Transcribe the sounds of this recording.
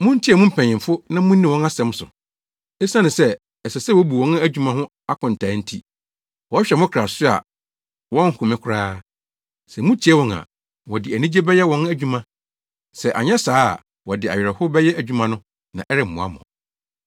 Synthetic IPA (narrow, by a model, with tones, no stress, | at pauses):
mʊ̃˦n̩˦tʰi˦ɛ˨mʊ̃˦m̩˦pʰɛ̃˨ɲ˨ɪ̃˨m˨fʊ˦nã˦mũ˦nː˦ĩ˦˨wɔ̃˦na˦sɛ̃˦m˦sʊ̰˨ | e˦sã˦nɪ̃˨sɛ˦ | ɛ˨sɛ˨sɛ˦wo˦bu˨wɔ̃˦n˦æ˦d͡ʑᶣu˦mã˨hʊ̃˦ | a˦kʰɔ̃˨n̩˨tʰaː˨˦n̩˦tʰi˦ | wɔ˦ɕᶣɛ˨mʊ̃˦kʰɾa˨sʊ˦a̰˨ | wɔ̃˦ŋʰ˨ʊ˨mɪ̃˦kʰʊ˦ɾaː˦ | sɛ˨mũ˦tʰi˨˦ɛ˦wɔ̃˨na̰˨ | wɔ˨dɪ˨æ˨nĩ˦d͡ʑe˦bɛ˦jɛ˦wɔ̃˦næ˨d͡ʑᶣu˦mã˨ | sɛ˨ʔa̰˨ɲɛ˦saː˦˨ | wɔ˨dɪ˨a˨ɥᶣɛ˨ɾɛ˨hʊ˦bɛ˦jɛ˦æ˨d͡ʑᶣu˦mã˨nʊ̃˦ | nã˨ʔɛ˦ɾɪ˦˨m̩ː˨ʊ̃˨a̰˦mʊ̰̃˨